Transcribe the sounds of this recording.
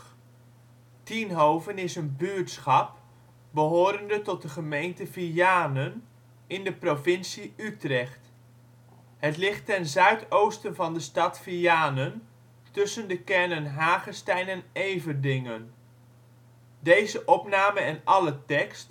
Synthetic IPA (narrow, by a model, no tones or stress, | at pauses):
tinɦowvənɪsənbyɹtsχɑp̚ | bəɦoːɾəndətɔt̚dəχəmejntəviaːnən | ɪndəprovɪnsiytrɛχt | ɦətlɪχtːɛnzœɥtowstənvɑndəstɑtfijaːnən | tɵsəndəkɛɹnənɦaːχəstɛjnɛnejvəndɪŋən | dejzəʔɔpnaːməɛnɑlətɛkst